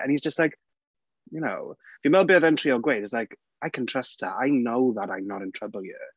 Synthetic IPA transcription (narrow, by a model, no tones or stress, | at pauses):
ʔə̰̃nhizd͡ʒʌstˡlaɪk | jəno̰ʊvjəmɛlˠbiəðɛ̃ntʰɹ̥iːəlˠɡweɪtɪslaɪk | aɪkʰə̃ntʰɹ̥ɛstə̰ʔaɪnoʊðəɾãɪ̃mnəɾɪ̃ntʰɹ̥əbəlˠjə̰